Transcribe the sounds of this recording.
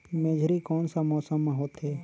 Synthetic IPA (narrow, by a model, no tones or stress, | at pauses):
meːd͡ʒʱɾikɔːnsamɔːsəmːãɦoːt̪ɦɛː